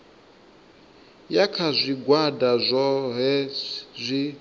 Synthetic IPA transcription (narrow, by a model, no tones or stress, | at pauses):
jakʰazʷiɡwadazʷɔɦɛzʷi